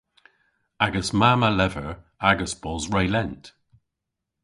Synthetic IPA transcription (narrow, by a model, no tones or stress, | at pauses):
aɡəsmaːməlɛvəɹ | aɡəsb̥ɔzɹeɪlɛnt